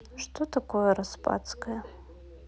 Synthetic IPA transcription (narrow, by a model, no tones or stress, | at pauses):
ʂtʰotʰakʷʰojaɾaspʼa̰t͡sʰʼkʼa